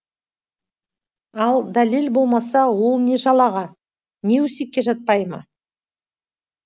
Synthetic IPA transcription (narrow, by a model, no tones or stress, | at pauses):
ɑlˠd̪ɑlilbo̞lˠmɑsɑwo̞lˠne̞ʒɑlˠɑʁɑ | ne̞wɵsekʲːe̞ʒɑt̪̚pɑjmə̰